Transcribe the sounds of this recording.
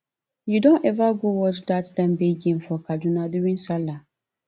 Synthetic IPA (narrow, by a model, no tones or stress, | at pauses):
judɔ̃nɛvaɡowɔtdatdãmbeɡĩnfɔkʰad͡ʒunãduɾĩnsala